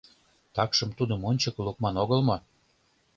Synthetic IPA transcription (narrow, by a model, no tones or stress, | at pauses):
t̪ɑkʃəmt̪ud̪əmonʲt͡ɕɤkluk̚mɑnoɣəlmo